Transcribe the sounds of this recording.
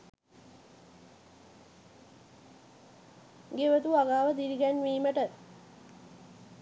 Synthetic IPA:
ɡeʋət̪uaɡaːʋət̪iɾiɡænʋiːməʈə

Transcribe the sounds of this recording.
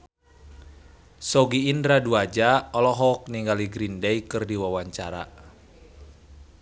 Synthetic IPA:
sɔɡiːndɾaduad͡ʒaɔlɔɦɔk̚niŋɡaliɡɾindɛikɨrdiwawaɲt͡ʃaɾa̰

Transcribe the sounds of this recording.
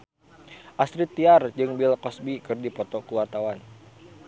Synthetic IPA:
ʔast̪ɾit̪ːiard͡ʒɨŋbilkɔsbikɨrdipɔt̪ɔkuwart̪awan

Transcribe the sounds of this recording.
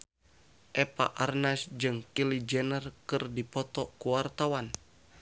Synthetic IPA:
ʔɛpa̰ʔarnasd͡ʒɨŋkilid͡ʒɛnərkɨrdipɔt̪ɔkuwart̪awan

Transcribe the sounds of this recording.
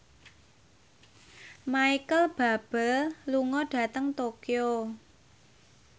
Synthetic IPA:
maikəlb̥a̤b̥əlluŋɔɖ̥ä̤t̪əŋt̪okio

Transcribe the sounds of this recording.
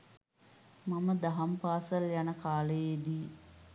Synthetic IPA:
maməd̪aɦɐmpaːsəljanəkaːləjd̪iː

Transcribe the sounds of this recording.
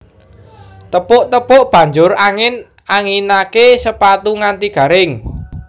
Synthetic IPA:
t̪əpʊʔt̪əpʊʔb̥ä̤ɲd͡ʒʊɾaŋɪn | aŋinakesəpat̪uŋant̪iɡ̥ä̤ɾɪŋ

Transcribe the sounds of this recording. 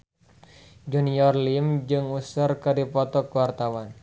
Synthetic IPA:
d͡ʒuniɔrlimd͡ʒɨŋusərkadipɔt̪ɔkuwart̪awan

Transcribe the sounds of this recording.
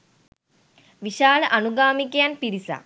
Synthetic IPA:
ʋiʃaːləʔanuɡaːmikejanpiɾisa̰ː

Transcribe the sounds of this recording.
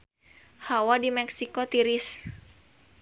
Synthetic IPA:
hawadimɛksikot̪iɾis

